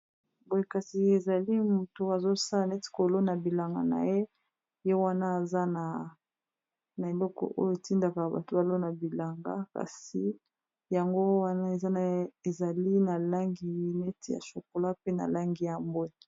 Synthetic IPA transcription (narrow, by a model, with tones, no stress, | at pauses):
bo˦e˨ka˨si˨e˨za˨li˦mu˨to˨a˨zo˦sa˦la˨nɛ˦ti̥˨ko˨lo˦na˨bi˨la˨ŋɡa̰˨na̰˨je˦ | je˦wa˦na˦a˨za˦na˨ | na˨e˨lɔ˦kɔ̰˨ʔo˦jo˦e˨ti˦nda˨ka˨ba̰˨to˨ba˨lo˦na˨bi˨la˨ŋɡa̰˦ka̰˨si˨ | ja˨ŋɡo˦wa˦na˦e˨za˦na˨e˨za˨li˦na˨la˦ŋɡi˨ne˦ti˨ja̰˨ʃo˨ko˨la˦pe˦na̰˨la˦ŋɡi˨ja˨mbo˦e˨